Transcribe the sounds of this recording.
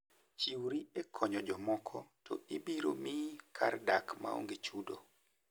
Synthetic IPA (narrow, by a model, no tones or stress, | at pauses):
t͡ʃiwɾiɛkʰɔɲɔd͡ʒɔmɔkʰɔtʰɔ̰ibiɾo̰mikʰardakma̰o̰ŋɡet͡ʃudo̰